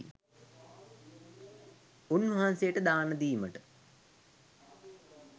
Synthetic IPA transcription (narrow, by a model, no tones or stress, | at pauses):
unʋəɦansejəʈəd̪aːnəd̪iːməʈə